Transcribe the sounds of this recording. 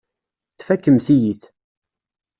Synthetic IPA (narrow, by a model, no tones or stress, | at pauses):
θfækːəmθijiθ